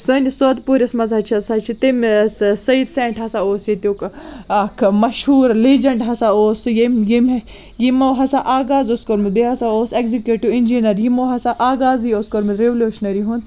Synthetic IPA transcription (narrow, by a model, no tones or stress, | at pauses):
sɨnʲisoːd̪puːɾʲɐsmɐzɦɐt͡ʃʰiɐsɐt͡ʃʰit̪imssɐid̪seːɳʈɦɐsaoːsjit̪ʲuk | ɐkʰmɐʃɦuːɾliːd͡ʒɐɳʈɦɐsaoːsjimjimʲe | jimoɦɐsaʔaːɡaːzoskoɾmibeɦɐsaoːsekzikʲjuʈiinʲd͡ʒinɐɾjimoːɦɐsaʔaːɡaːzioskoɾmiɾeʋluːʃnɐɾiɦũnd̪